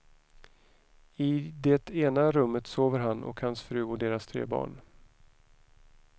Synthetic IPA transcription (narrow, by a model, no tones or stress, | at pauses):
ɪd̪ɛt̪eːnaɾɵmːət̪soːvəɾɦanʔɔ̰khansfɾʉ̟ːɔd̪eːɾast̪ʰɾḛːbɑ̰ːɳ